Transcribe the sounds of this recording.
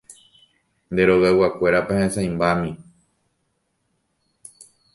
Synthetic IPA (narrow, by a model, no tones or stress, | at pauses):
nd̪e̞ɾo̞ɣawakʷe̞ɾapahẽsãj̃mbamĩ